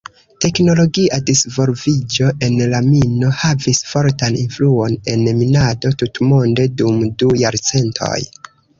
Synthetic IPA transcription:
te̞kno̞lo̞ɡiadisvo̞lvid͡ʒo̞ʔe̞nlamino̞havisfo̞ɾtaninfluo̞ne̞nminado̞tutmonde̞dumdujaɾt͡se̞ntʰo̞̰j

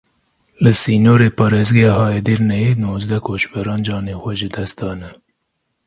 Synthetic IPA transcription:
ləsiːnoːɾeːpɑɾezɡiɑɦɑːjed̪iɾnɛenoːzd̪ɐkoːʃbɐɾɑːnd͡ʒɑːneːxʷaʒɪd̪ɐst̪̚d̪ɑːnɐ

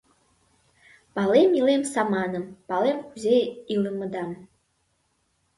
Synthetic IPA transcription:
pɑlˠemilemsɑmɑnə̆mpɑlˠemxuzʲejilˠəmə̆d̪ɑm

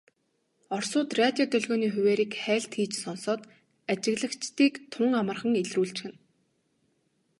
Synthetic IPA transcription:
ɔrsʊːt̪rat̪ʲjɔt̪œɮɣɔːniːxʊweːɾiːkχæːɮt̪xiːt͡ɕsɔnsɔːt̪ | at͡ɕɪ̆ɣɮə̆kt͡ɕt̪iːkt̪ʰʊŋamə̆rχə̆ŋeɮruːɮt͡ɕxɘ̆n

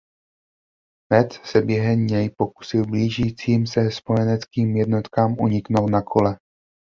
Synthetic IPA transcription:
mɛt͡ssɛbjɛɦɛmɲɛjpo̞ku̥sɪlbliːʒiːt͡siːmsɛspo̞jɛnɛt͡skiːmjɛdno̞t̪kaːmʔuɲɪkno̞wt̪nakʰo̞lɛ

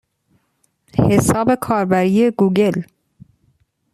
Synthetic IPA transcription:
hesɑːbəkʰɑːɾbæɾiːəɡuːɡəl

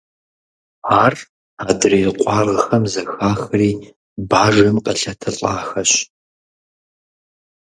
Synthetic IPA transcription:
aːr | aːdriːqʷʼɑːrəxɐmzɐxaːxɨriː | baːʒɐmqʼɐɬɐtʰɐɬʼaːxɐɕ

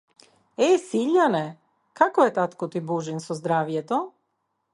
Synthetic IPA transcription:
esiʎane | kakojet̪at̪kot̪ibuʒinsozd̪ɾaːʋjet̪o

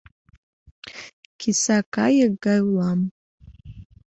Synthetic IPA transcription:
kʲʰisakʰʼajaɡajlam

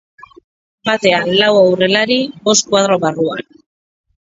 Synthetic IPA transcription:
bat̪e̞alawawre̞laɾibo̞skwað̞ɾo̞βarua̰n

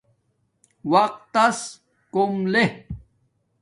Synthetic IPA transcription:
wɐq̚t̪ːɐs | komle

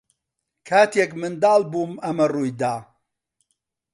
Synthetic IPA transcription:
kʰaːt̪ekmɨnd̪aːlbuːmɐmɐruːjd̪aː

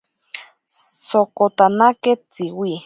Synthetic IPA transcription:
sokot̪anaket͡siwi

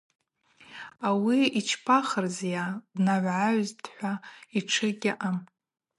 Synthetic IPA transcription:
awiit͡ʃʰpʰaχərzjadnaʕʷʕaɥztʰʼħʷaiʈ͡ʂʰɨɡʲɪʔam

